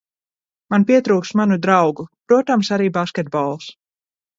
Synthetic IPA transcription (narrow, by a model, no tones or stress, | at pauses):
manpiɛt̪ɾuːksmanud̪ɾawɡupɾuɔt̪amsaɾiːbaskʲɛt̪̚bɔlˠs